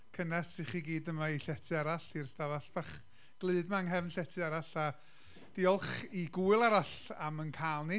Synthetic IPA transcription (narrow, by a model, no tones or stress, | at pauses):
kʰənastʰiχiɡiːdəmaiɬɛtʰɨaɾaɬirstavaɬb̥aχ | ɡ̥lˠɨɨdmaŋɦɛvnɬɛtʰɨaɾaɬa | d̥iɔlˠχiɡuːɨlˠaɾaɬamənkʰaːlˠni